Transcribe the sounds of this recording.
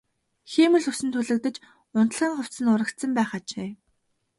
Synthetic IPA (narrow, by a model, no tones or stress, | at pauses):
xiːmɵ̆ɮɵwsɘ̆nt̪ʰuɮɘ̆k̚t̪ɘ̆t͡ɕ | ʊnt̪ə̆ɮʁiːŋχʊw̥t̪t͡sɘ̆nʊɾə̆kt̪sə̆mpæːχat͡ɕʰeː